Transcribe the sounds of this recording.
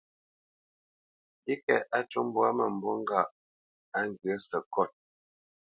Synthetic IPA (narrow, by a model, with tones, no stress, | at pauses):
i˦kɛ̰˨ʔa˦tu˦m˦bwa˦mə˨m̩˨bɔ˦ŋ˦ɡa˦˨ʔ | a˦ŋ̩˨ɡɰə˦sə˨kɔ˦˨t̚